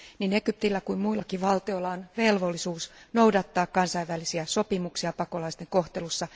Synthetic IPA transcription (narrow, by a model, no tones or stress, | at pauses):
nine̞kyp̚t̪ilːækuimmuilːɑkiʋɑlt̪iolːɑonʋe̞lʋo̞lːisuːsno̞udɑt̪ːɑːkkɑnsɑiʋʋælːisiæso̞pimuksiɑpɑko̞lɑist̪eŋko̞ht̪e̞lusːɑ